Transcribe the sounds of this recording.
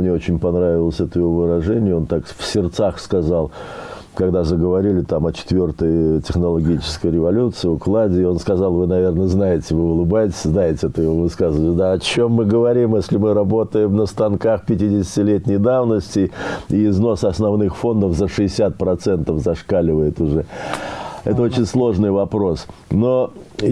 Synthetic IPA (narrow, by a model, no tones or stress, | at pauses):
mnʲeo̞t͡ɕɪnʲpɐnɾavʲɪlˠəsʲɛt̪əjɪvovɨɾɐʐɛnʲɪjʊo̞nt̪akfsʲɪrt̪saxskɐzalˠ | kɐɡd̪azəɡəvɐɾʲilʲɪt̪amɐt͡ɕɪ̥t̪vʲo̞rt̪əjtʲɪxnəlˠɐɡʲit͡ɕɪ̥skəjɾʲɪvɐlʲut̪sɨɪʊklˠadʲɪːo̞nskɐzɑlˠvɨnɐvʲe̞rnəznajɪtʲɪvɨʊlˠɨbajtʲɪ̥sʲznajɪtʲɪɛt̪əjɪvovɨskazəvətʲd̪aɐt͡ɕo̞mːɨɡəvɐɾʲimjesʲlʲɪmɨɾɐbo̞t̪əjɪmnəst̪ɐnkaxpʲɪtʲidʲɪsʲɪtʲɪlʲetʲnʲɪjd̪avnəsʲtʲɪɪːzno̞sɐsnɐvnɨxfo̞nd̪əfzəʂɨɪsʲat̪̚pɾɐt̪sɛnt̪əfzɐʂkalʲɪvəjɪt̪ʊʐɛ | ɛt̪əo̞t͡ɕɪnʲslˠo̞ʐnɨjvɐpɾo̞sno̞